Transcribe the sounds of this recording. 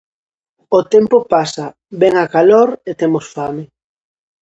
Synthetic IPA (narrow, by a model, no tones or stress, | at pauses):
ot̪ɛmpopasa | bɛŋakaloɾet̪emosfame